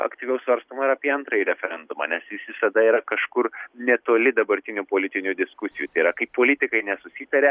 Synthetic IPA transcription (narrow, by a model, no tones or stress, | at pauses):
ɐ̰kt̪ʲiːʋʲɛʊsʋɐɾst̪oːmɐɪɾɐːpʲiɛɐnt̪ɾɐiɾʲɛfʲɛɾʲɛnd̪ʊmɐ̰nʲɛsʲɪsʲʋʲɪsɐd̪ɐiːɾɐkɐʃkʊɾnʲɛt̪oːlʲɪd̪ɐbɐɾʲt̪ʲɪnʲupoːlʲɪt̪ʲɪnʲud̪ʲɪskʊsʲɪjut̪ɐɪiɾɐkɐɪppoːlʲɪt̪ʲɪkɐɪnʲɛsʊsʲiːt̪ɐɾʲɛ